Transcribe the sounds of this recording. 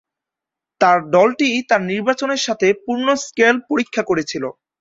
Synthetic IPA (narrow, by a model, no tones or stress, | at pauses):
t̪aɾɖɔlʈit̪aɾniɾbat͡ɕoneɾʃat̪ʰepuɾnoskelpoɾikʰːakoɾet͡ɕʰilo